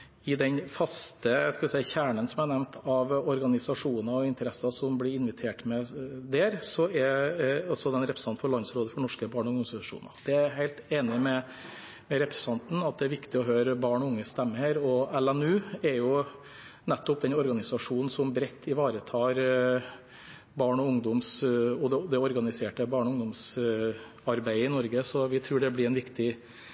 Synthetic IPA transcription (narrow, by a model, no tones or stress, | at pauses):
ɪd̪ɛnfɑst̪əskɑʋɪsæɪəçæːɳənsɔmænɛmnt̪ʰɑʋɔɾɡɑnɪsɑʂuːnɑɔɪnt̪əɾɛsɑsɔmblɪɾɪnʋɪt̪ʰeːʈmɛd̪eːɾsɔɛɾɔsɔd̪ɛnɾɛpɾə̥sɑn̩fɔɭɑnsɾoːd̪əfɔɳɔʂkəbɑːɳɔɾɡɑnɪsɑʂṵːnɑ̰d̪ɛæɾɦæɪt̪eːnɪmɛ | mɛɾɛpɾɛsɑnt̪n̩ɑt̪̚d̪ɛæɾʋɪkt̪ɪɔɦøːɾəbɑːɳɔʊŋːəst̪ɛmːəəɾɔɛlɛnʉːɛɾjʊ | nɛt̪ːɔp̚d̪ɛnɔɾɡɑnɪsɑʂuːnn̩sɔmbɾɛt̪ʰːɪʋɑːɾət̪ʰɑːɾ | bɑːɳɔʊŋd̪ʊmsɔd̪ɛd̪ɛɔɾɡɑnɪseːʈəbɑːɳɔʊŋd̪ʊms | ɑɾbæɪəɪnɔɾɡəsɔʋɪt̪ʰɾʉːɖɛblɪɾæɪnʋɪkt̪ɪ